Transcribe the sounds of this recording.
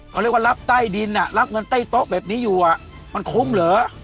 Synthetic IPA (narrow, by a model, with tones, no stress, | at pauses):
kʰɔ˨˩ɾi˧˩kwa˧la˦˥p̚t̪a˥˩jdi˧nʔa˨˩ʔla˦˥p̚ŋɤ˧nt̪aː˥˩jt̪o˦˥ʔ̚bɛː˨˩p̚niː˦˥juː˨˩ʔa˨˩ʔ | ma˧nkʰu˦˥mlɤː˨˦